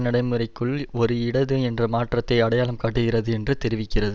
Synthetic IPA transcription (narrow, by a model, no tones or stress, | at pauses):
nɐɽɐɪmɯrɐɪkːɯɭɔɾɯɪɽɐðɯɛndrɐmaːʈrɐt̪ːɐɪɐɽɐjaːlɐmkaːʈːɯɣɪrɐðɯɛndrɯt̪ɛɾɪʋɪkːɪrɐðɯ